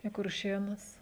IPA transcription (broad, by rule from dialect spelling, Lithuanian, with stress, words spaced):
iː kʊrʲˈʃʲeːnʊs